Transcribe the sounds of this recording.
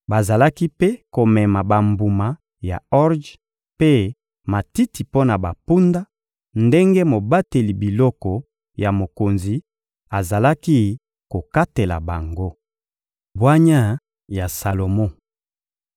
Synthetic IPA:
ba˨za˨la˦ki˦pe˦ko˨mɛ˨ma˨ba˨mbu˨ma˨ | ja̰˨ɔ˦ʁd͡ʒ | pe˦ | ma˨ti˦ti˨po˦na˨ba˨pu˦nda˦ | nde˦ŋɡe˦mo˨ba˦te˨li˨bi˨lɔ˦kɔ˨ | ja˨mo˨ko˨nzi˨ | a˨za˨la˦ki˦ | ko˨ka˦te˨la̰˨ba˨ŋɡo˦ | bwa˦ɲa˦ | ja˨sa˨lo˨mo˦

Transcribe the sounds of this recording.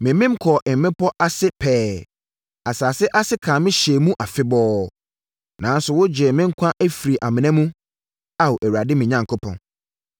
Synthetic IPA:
mɪ̃˨mɪ̃˦m̩˦kʰɔ˨ʔɪ˨m̩˨mɪ̃˦pɔ˦ʔa˦sɪ˦pʰɛː˦ | a˨saː˨sɪ˦ʔa˦sɪ˦kʰã˨mɪ̃˦ɕɛ˨mũ˦ʔa˨fɪ˦bɔː˦ | nã˨˦n˦sʊ˨wʊ˦d͡ʑɛ˨mɪ̃˦ŋ̩˦kʷʰã˦ʔæ˦fi˨ɾi˨ʔa˨mɪ̃˨nɛ̃˦mũ˦ | a˨wo˨ʔæ˨wu˨ɾa˨dɪ˦mɪ̃˨ɲã˨ŋkʰʊ˦pʰɔ̰̃˨n

